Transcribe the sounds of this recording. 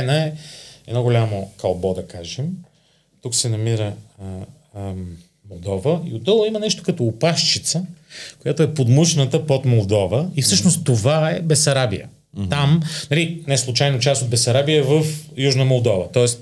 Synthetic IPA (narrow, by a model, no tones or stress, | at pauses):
nəɛɛd̪nɔɡolʲamokɐlˠbɔd̪ɐkaʒɛm | t̪uksɛnɐmiɾə | molˠd̪ɔvəḭod̪d̪olˠəimɐnɛʃt̪o̥kɐt̪oːpaʃt͡ʃit̪səkojat̪oɛpod̪muʃnət̪əpot̪molˠd̪ɔvəifsɤʃnost̪t̪ːovaɛbɛsɐɾabḭjə̰ | amnɐlinɛslˠut͡ʃajnot͡ʃast̪od̪bɛsɐɾabiəvəfjuʒnəmolˠd̪ɔvət̪ɔɛs